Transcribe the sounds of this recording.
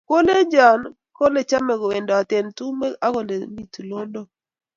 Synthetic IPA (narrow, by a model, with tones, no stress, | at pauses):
ko˦le˦d͡ʒa˨n | kɔ˦le˨t͡ʃa˦mɛ˨ɡɔ˨we˨ndɔ˨a˨te˨ntu˦me˦a˦ko˨le˨mi˨tu˨lo˦ndo˨